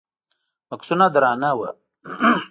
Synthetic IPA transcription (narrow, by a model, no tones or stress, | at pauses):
mɐksunad̪ɾaːnawa̰